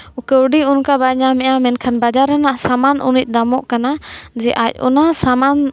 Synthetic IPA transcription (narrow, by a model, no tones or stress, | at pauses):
ukɛuɖiunkabaɲamɛamɛnkʰanbad͡ʒaɾanasamanʔṵnit̪̚d̪amɔʔkanad͡ʒɛʔa̰c̚ṵnasaman